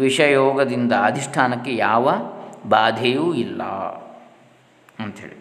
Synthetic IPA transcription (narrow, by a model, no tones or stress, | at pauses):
ʋiʂɐjoːɡɐd̪ind̪ɐːd̪ʱiʂʈʰaːnɐkːejaːʋɐbaːd̪ʱɐjuilːɐ̰ | ɐnt̪ɐɦeːɭi